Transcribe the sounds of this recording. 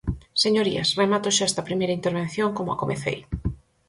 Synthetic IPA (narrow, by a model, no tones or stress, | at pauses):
seɲoɾḭɐsremat̪oʃaɛst̪ɐpɾimejɾaint̪eɾβen̟θjoŋkomʊa̰komʔḛθḛj